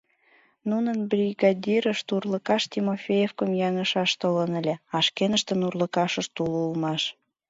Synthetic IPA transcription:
nunənbrʲiɡɑd̪ʲiɾəʃt̪urləkɑʃt̪ʲimofʲejefkəmjɑŋəʃɑʃt̪olənə̆lʲeɑʃkenəʃt̪ə̆nurlə̆kɑʃə̆ʃt̪ululmɑʃ

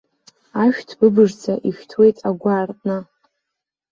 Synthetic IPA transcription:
aʃᶣtʰb̥ɨbɨʐt͡sʰaʔiʃᶣtʰwe̞jtʼaɡʷaːrtʼnɨ

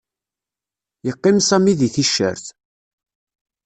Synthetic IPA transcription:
jəqːɪmsæmiðiθiʃːə̰ɾθ

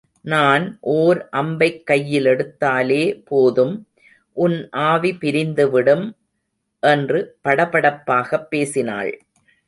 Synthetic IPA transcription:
naːnʔoːɾʔɐmbɐɪkːɐjːɪlɛɽɯt̪ːaːleːpoːðɯm | ʔʊnʔaːʋipɪɾɪnd̪ɯʋɪɽɯm | ʔɛndrɯpɐɽɐpɐɽɐpːaːɣɐpːeːsɪna̰ːɭ

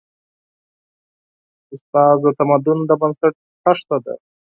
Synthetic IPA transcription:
ʊst̪ɑːzd̪ət̪amad̪ʊnd̪əbənsaʈ̚ | ʈaʂt̪ad̪ḛ

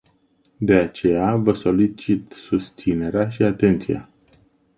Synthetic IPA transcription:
d̪e̞at͡ʃe̞javəso̞lit͡ʃit̪sust̪sine̞ɾeaʃiat̪e̞nt̪sḭa̰

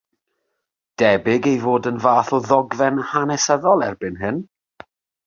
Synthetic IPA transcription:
d̥ɛbɪɡejvoːdənvaːθɔðɔɡvɛnhanɛsəðɔlˠɛrbɨnɦɨn

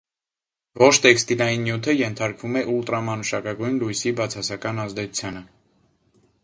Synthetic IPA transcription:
vɔʃʰt̪ɛkst̪ilɑjinːjut̪ʰəjɛnt̪ʰɑɾkvumɛʔult̪ɾɑmɑnuʃɑkɑɡujnlujsibɑt͡sʰɑsɑkɑnɑzd̪ɛt͡sʰu̥t͡sʰjɑnə

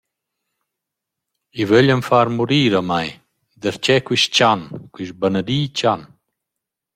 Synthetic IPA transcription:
ivɛləmfaɾmuɾiːɾamaj | d̪əɾt͡ɕɛkwiʃt͡ɕankwyʃbanəɾiːt͡ɕan

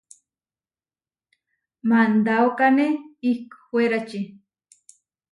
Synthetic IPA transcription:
mand̪awkaneiko̥xweɾat͡ʃi

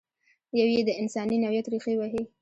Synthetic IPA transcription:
jawjed̪əɪnsɑninawjat̪ɾixewaɦe

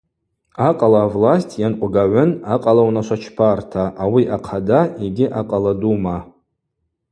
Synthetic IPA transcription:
aqʼalaːvlasʲtʰjanqʷʼɡaʕʷʊnaqʼalawnaʃʷat͡ʃʰpʰartʰaʔawiʔaqʰadaeɡʲɪʔaqʼaladuma

